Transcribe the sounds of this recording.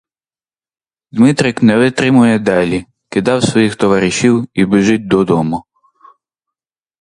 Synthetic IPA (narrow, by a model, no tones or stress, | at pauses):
d̪mɪt̪ɾʲɪknɛʋɪt̪ɾɪmʊjɛd̪ɑlʲi | kɪd̪ɑwsʋɔjixt̪ɔʋɑɾɪʃʲiwibɪʒɪt̚ʲd̪ɔd̪ɔmʊ